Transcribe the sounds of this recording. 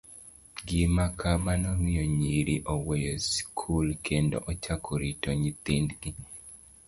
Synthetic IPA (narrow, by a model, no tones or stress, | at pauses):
ɡimakʰabanomijoɲiɾiʔɔwejɔskʰulkʰendɔ̰ʔɔt͡ʃakʰoɾitoɲit̪indɡi